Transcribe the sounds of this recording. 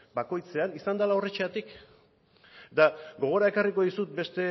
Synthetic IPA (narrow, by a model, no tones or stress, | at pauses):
bako̞jt͡se̞anisand̪alaoret͡ʃeat̪ik | et̪aɡo̞ɣ̞o̞ɾae̞kariko̞ðisut̪̚be̞st̪e̞